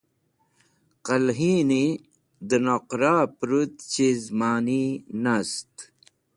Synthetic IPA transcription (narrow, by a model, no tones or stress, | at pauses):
qɐlɦiːni | d̪ənoqɾaːpɾut̪t͡ɕizmaːninast̪